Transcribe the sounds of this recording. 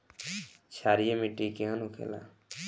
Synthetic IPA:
t͡ʃʰaːɾijemiʈikeɦənukʰḛla̰

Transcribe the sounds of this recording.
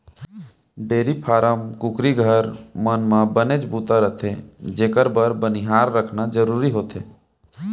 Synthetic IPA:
ɖeːɾipʰaːɾəmkʊkɾiɡʱəɾmənmãbəned͡ʒbuːt̪aɾət̪ʰed͡ʒeːkəɾbəɾbəniɦaːɾːəkʰnad͡ʒəɾuːɾiɦoːt̪ʰḛː

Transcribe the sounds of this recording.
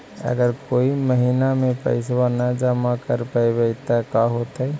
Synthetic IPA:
ə̰ɡəɾkoːiməɦinamẽpə̰ɪswanad͡ʒəmakəɾpajbeɪt̪akaɦot̪ə

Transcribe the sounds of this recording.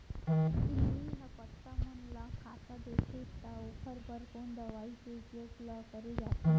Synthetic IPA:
iiɦəpət̪ːaɦənlakʰat̪ad̪ekʰet̪aopʰəɾbəɾkond̪əʋait͡seupjoɡləkəɾed͡zat̪e

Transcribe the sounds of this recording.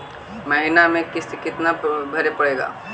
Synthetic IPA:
mɐɦinamẽkɪskɪt̪nabʱɐɾepɐɽeːɡa̰ː

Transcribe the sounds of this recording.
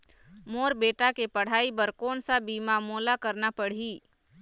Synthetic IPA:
moːɾbeːʈakepəɽ̤aːibəɾkoːnsabiːmamoːlakəɾnapəɽ̤iː

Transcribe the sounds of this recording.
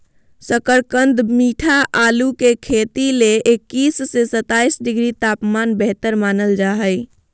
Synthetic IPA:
səkəɾkənd̪miʈʰaʔalukekʰet̪ileekːisːesət̪aisɖiɡɾit̪apmanbəɦt̪əɾmanəld͡ʒaɦəj

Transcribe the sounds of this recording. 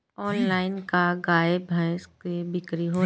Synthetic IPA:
ɔːnlaːɪnkaɡaːebʱəskebɪkɾiɦoː

